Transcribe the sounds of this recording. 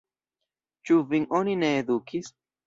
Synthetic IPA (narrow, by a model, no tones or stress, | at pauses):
t͡ʃuviŋʔonineːd̪ukʰis